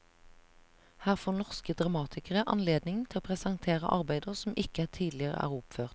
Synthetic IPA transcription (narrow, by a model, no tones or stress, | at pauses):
hæːʁfoːnɔʁskəd̪ʁɑmɑːt̪ʰɪkəʁəʔɑ̰nleːd̪nɪŋt̪ʰɪoːpʰʁɛsɑŋt̪ʰeːʁə̰ʔɑ̰ʁbæɪd̪əʁsɔmʔɪkəæːt̪ʰiːd̪lɪəʁə̰ʔæ̰ːʁʊpføːʁt̪